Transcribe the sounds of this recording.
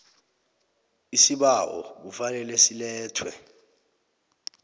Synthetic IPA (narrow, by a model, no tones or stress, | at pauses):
isiɓaʔɔ̰k̬ufalɛlesilɛːtʰwɛ